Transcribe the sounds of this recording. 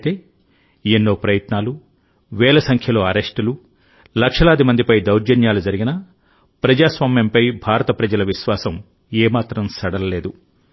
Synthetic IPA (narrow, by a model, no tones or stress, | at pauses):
t̪e̞ː | enːo̞ːpɾɐjɐt̪naːlu | ʋɛːlɐsɐŋkʰjɐlo̞ːɐɾeʂʈulu | lɐkʂɐlaːd̪imɐnd̪ipɐjd̪ɐwɾd͡ʒɐnjaːlud͡ʒɐɾiɡinɐ | pɾɐd͡ʒaːsʋaːmjɐmpɐjbʱaːɾɐt̪ɐpɾɐd͡ʒɐlɐʋiʃʋaːsɐm | eːmaːt̪ɾɐmsɐɽɐlɐle̞ːd̪u